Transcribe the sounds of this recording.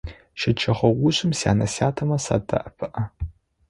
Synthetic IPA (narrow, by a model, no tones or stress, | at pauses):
ʃɪt͡ʃʰɐχʷɐɡʷʊɕɪmsa̰ːnɐsjaːtʰɐmɐsa̰ːdɐ̰ʔɐpʰɨʔɐ